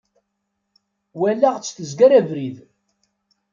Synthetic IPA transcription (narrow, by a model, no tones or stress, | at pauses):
wælːæʁt͡sːθəzɡæɾævɾið